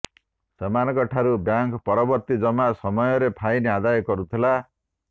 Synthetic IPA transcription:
semanɔkɔʈʰaɾubjaŋkpɔɾɔbɔɾt̪id͡ʒɔmasɔmɔjɔɾepʰajnead̪ajɔkɔɾut̪ʰila

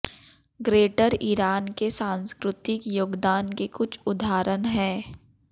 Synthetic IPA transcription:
ɡɾeːʈəɾiːɾaːnkesãːnskɾʊt̪ɪkjoːɡd̪aːnkekʊt͡ʃʰʊd̪ʱaːɾənɦɛː

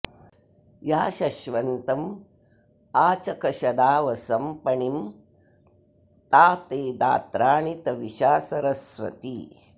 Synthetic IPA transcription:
jaːʃɐʃʋɐnt̪ɐm | aːt͡ʃɐkɐʃɐd̪aːʋɐsɐmpɐɳim | t̪aːt̪eːd̪a̰ːt̪ɾaːɳit̪ɐʋiʃaːsɐɾɐsʋɐ̰t̪i

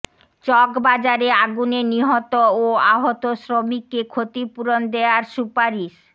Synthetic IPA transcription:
t͡ɕɔkbad͡ʑaɾeaɡuneniɦɔt̪ooaɦot̪osɾomikːekʰot̪ipuɾond̪eaɾsupaɾiʃ

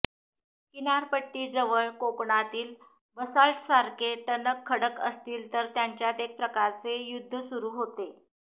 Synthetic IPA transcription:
kinaɾpəʈːiːd͡zəʋəɭkokɳat̪iːl | bəsaɭʈsaɾkʰet̪ənəkʰːəɽəkə̰st̪iːlt̪əɾt̪jaɲt͡ɕjat̪ek̚pɾəkaɾt͡sejud̪ʱːəsuɾuːɦot̪e

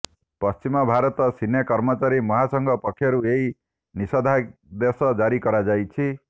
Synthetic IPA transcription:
pʌst͡ʃimʌbʱaɾɔt̪ʌsinjʌkʌɾmɔt͡ʃaɾimɔɦasʌŋɡʱʌpʌkʰːjʌɾuei | nisʌd̪ʱad̪esʌd͡ʒaɾikʌɾad͡ʒajt͡ʃʰi

